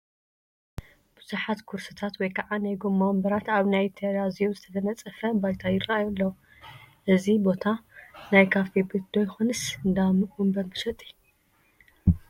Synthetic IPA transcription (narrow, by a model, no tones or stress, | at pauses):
b̥ɨzuħat̪kʰuɾsɨt̪ʰat̪wɔjkʰɐʕanajɡomːambɐɾat̪aβnajt̪ʰɐɾazijozɨt̪ʰɐd̪ʰɐnɐt͡sʼɨfɐbajt̪ʰajɪrːaajolːɐ | ʔɨzibo̞t̪ʰanajkʰafebɨd̪̥ojxonɨsɨnd̪amɨʔumbɐɾbɨʃɐt̪ʼi̥